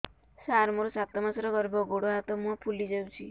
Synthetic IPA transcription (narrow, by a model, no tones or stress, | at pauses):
saɾmoɾɔsat̪ɔmasɾɔɡɔɾbɔɡoɽoɦat̪ɔmũɔ̃pʰulid͡ʒawt͡ʃʰi